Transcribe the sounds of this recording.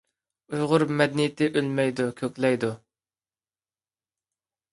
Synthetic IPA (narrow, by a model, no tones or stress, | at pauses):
ujʁʊɾmɛd̪nɪjt̪ʰɪʔølmɛjd̪ukʲʰøkʲlɛjd̪u